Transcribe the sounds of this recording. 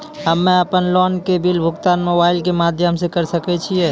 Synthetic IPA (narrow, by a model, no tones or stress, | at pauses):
ɦəmːeəpənlɔnkebilbʱʊɡt̪anmobaɪlkemad̪ʱjəmsekəɾsəkɛt͡ʃʰijɛ